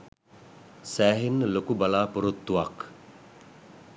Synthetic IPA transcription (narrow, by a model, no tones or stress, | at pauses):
sæːɦinːəlokubɐlaːpuɾut̪ːuʋak